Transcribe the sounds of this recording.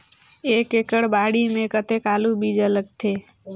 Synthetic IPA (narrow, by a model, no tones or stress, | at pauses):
ekekəɽbaɽimẽkət̪ekalubid͡ʒələk̚t̪ʰe